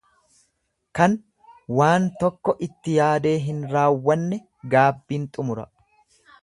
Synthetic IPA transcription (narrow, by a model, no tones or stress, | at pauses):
kɐn | waːnt̪ɔkːɔʔɪt̪ːɪjaːd̪e̞ːɦɪnɾaːwːɐnːɛ | ɡaːbːiːnt̪ʼʊmʊɾɐ̰